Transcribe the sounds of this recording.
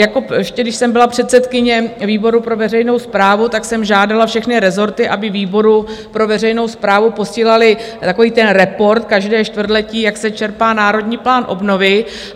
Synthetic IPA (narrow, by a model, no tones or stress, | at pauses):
jakoɛʃcɛdɪʃsɛmbɪlapr̝̥ɛt̪sɛt̪kɪɲɛviːbo̞ɾupɾo̞vɛrɛjno̞wspɾaːvut̪aksɛmʒaːdalafʃɛxnɪɾɛzo̞ɾt̪ɪʔabɪviːbo̞ɾupɾo̞vɛrɛjno̞wspɾaːvupo̞siːlalɪ | t̪ako̞viːt̪ɛnɾɛpo̞ɾt̪̚kaʒdɛːʃt̪vr̩d̪lɛciːjaksɛt͡ʃɛɾpaːnaːɾo̞dɲiːplaːnʔo̞bno̞vɪ